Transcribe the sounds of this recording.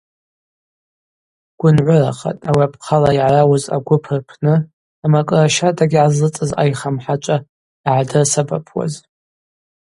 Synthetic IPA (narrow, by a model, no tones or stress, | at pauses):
ɡ̥ʷʊnʕʷʊraqʰʼa̰tʼawiapʰqʰalaiʕarawʊza̰ɡʷʊpʰɨrpʰnɨ | amakʼɨraʃatʼaɡʲiʕazɨt͡sʼɨza̰jχamħat͡ʃʷʼa | ʕadɨrsaba̰pʰwa̰z